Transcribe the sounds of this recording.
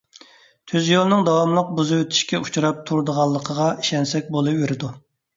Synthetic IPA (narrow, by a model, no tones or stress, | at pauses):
t̪ʰyzjolˠɨnɨŋd̪ɑwɑmlˠəq̚buzɨwøt̪ʰi̥ʃkʲɛut͡ʃʰuɾɑp̚t̪ʰuɾd̪əʁɑlˠːəqʰəʁɑiʃɛnsɛkʲbolˠupveɾɪd̪u